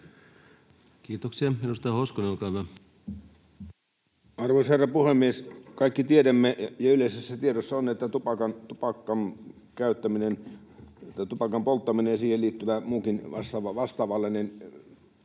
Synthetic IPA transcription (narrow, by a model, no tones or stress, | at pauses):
kiːt̪oksiɑminust̪ɑɑhoskonelkɑˑʋɑ | ɑrʋoˑisherːɑpuhemːieskɑikːit̪iedæmːejɑyleˑisesːæt̪ieɾosːɑonet̪ːæt̪upɑkɑnt̪upɑkːɑn | kæˑyt̪ːæminen | t̪ːɑt̪upɑkɑmpolt̪ːɑminejɑsiːhelliːt̪ːyʋæmuːkinʋɑ̰st̪ɑʋɑʋɑst̪ɑːʋɑlːenin